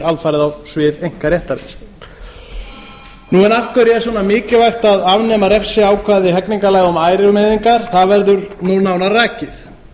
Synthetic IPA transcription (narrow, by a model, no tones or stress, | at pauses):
alfajɾɪðawsvɪːðejŋ̥kaɾjɛht̪aɾɪ̰ | nuɛnal̥kʰvɛɾjɛs̬ɔnamɪːcɪvajxt̪aðavnɛmaɾɛfsɪaːwkʰvaðɪɦɛkniŋkalajɣɔmaːjɾɪlmeðiŋkaɾ̥θaðvɛɾðʏɾnunaːwnaraːcɪθ